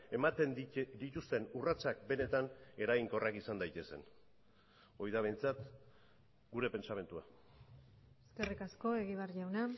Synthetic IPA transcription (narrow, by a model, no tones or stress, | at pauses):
e̞mat̪end̪it̪ust̪e̞nurat͡sak̚be̞ne̞t̪ane̞ɾaɣiŋko̞rakisand̪ajt̪e̞se̞̰n | o̞jðaβe̞jnt͡sat̪ | ɡuɾe̞pe̞nt͡ʃame̞nt̪ua | eske̞rikasko̞e̞ɣ̞iβ̞arʝawna